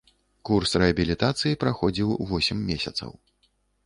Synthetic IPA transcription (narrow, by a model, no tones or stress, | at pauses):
kursrɛɐbʲilʲit̪at̪sɨjipɾaxɔd͡zʲiwvɔsʲɛmːʲesʲɐt̪sɐ̰w